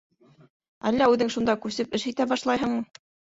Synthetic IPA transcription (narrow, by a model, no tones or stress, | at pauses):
æ̰lːæʉðɘŋʃund̪ɑkʉsɘpɘʃit̪æbɑʃlˠɑjɦɤɴmɤ